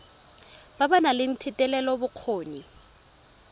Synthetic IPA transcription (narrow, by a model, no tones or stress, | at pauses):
babanalɪn̩tʰitʼɛlɛlɔbʊq͡χʰoːni